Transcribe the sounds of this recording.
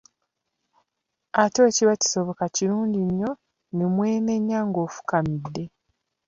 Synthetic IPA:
ato̞ːciβaci̥so̞βokaciɾuːɲɟiɲːo̞ | nemwe̞ːme̞ɲːaŋɡo̞ːfu̥kamidːe̞

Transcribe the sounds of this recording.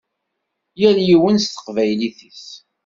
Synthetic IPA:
jæljiwənst̪ə̥qvæjliθis

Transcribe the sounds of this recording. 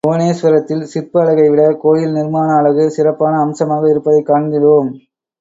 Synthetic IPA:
oːneːsʋɐɾɐt̪ːɪlsɪrpɯɐɭɐɣɐɪʋɪɽɐkoːjɪlnɪɾmaːnɐːɭɐɣɯsɪɾɐpːaːnɐːmsɐmaːɣɐɪɾɯpːɐðɐɪkːaːɳɡɪðoːm

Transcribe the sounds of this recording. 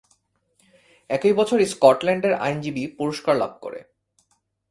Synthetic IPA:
ɛkojbɔt͡ɕʰoɾiskɔʈlɛɳɖeɾa̰jnd͡ʑibipuɾoʃkaɾla̰b̚ʱko̰ɾḛ

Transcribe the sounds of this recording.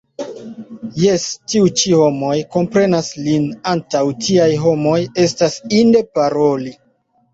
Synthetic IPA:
jestiut͡ʃiho̞mo̞jko̞mpɾe̞naslinantawtiajɦo̞mo̞je̞stasinde̞paɾo̞li

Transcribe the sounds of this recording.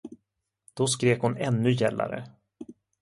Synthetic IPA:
d̪̥ɔskɾeːkhʊnɛnːɵjɛlːa̰ɾə̰

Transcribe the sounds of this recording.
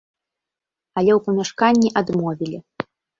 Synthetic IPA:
ɐlʲɛwpɐmʲaʂkanʲːiʔad̪mɔvʲilʲi

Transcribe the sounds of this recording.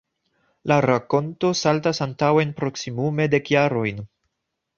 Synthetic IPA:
laɾako̞nto̞saltasantaweenpɾo̞ksimume̞de̞kjaɾo̞jn

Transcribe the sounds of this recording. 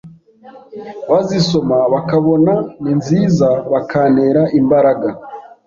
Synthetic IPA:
βaziso̞maβakaβo̞naninziːzaβakaːne̞ːɾaʔimbaɾaɡa

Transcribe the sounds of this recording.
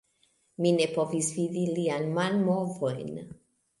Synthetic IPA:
minepovisvid̪ilianmanmovojn

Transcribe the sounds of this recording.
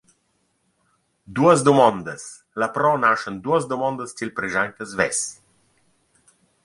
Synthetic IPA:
d̪uəzd̪omɔnd̪əs | lapɾɔnaʃənd̪uəzd̪omɔ̃nd̪əst͡ʃilpɾeʒant̪əzvɛs

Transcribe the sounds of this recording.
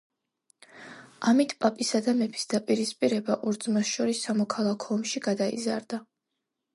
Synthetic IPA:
amit̪ʰpʼapʼisad̪amɛpʰi̥sd̪apʼiɾispʼiɾɛbaʔɔɾd̪zmasʃɔɾisːamɔkʰalˠakʰɔːmʃiɡad̪aḭza̰ɾd̪a

